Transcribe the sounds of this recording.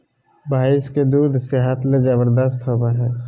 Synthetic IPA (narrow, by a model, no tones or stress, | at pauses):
bʱaːɪsked̪uːd̪ʱseɦət̪led͡ʒəbəɾd̪əst̪ɦobaɦɛː